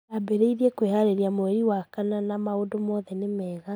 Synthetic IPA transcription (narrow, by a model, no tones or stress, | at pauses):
abeɾeiðiekwehaɾeɾjamoɛɾiwakananamaodomɔðɛnemɛːɣa